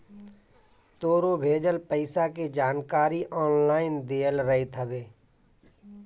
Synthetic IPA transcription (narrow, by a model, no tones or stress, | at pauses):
t̪oːɾobʱeːd͡ʒəlpəɪsaked͡ʒaːnkaːɾiʔɔːnlaːɪnd̪eːəlɾəɦet̪ʰəbeː